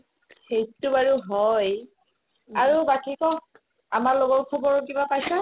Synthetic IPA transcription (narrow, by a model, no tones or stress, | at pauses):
xejtubaɹuɦɔj | aɹubakikɔ | amaɹloɡɔɹkʰɔbɔɹkibapajsɔ